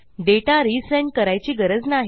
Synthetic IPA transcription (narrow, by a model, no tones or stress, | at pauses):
ɖeʈaɾisə̃ɳ̚kəɾajt͡ɕiːɡəɾəd͡znaɦi